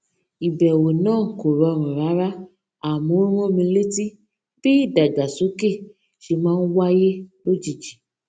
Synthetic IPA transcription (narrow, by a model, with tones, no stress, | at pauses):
i˨bɛ˨we˨nãː˦˨ko˨ɾɔ˧˨ɾ̃ã˨ɾa˨˦ɾa˦ | a˨mũ˨˦ɾ̃õ˦mĩ˧le˦ti˦˨ | b̥i˦i˦˨da˨ɡa˨so˨˦ke˦˨ | ʃe˧mãː˦n̩˦wa˦je˦lo˦d͡ʒi˦˨d͡ʒi˨